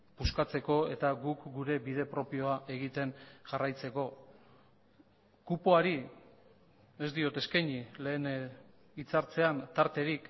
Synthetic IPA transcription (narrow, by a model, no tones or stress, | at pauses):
puskat͡se̞ko̞e̞t̪aɡukɡuɾe̞bið̞e̞pɾo̞pio̞aʔe̞ɣ̞it̪e̞nʝarajt͡se̞ko̞ | kupo̞aɾi | ezd̪io̞t̪e̞skajɲile̞ːn | it͡saɾt͡se̞ant̪aɾt̪e̞ɾik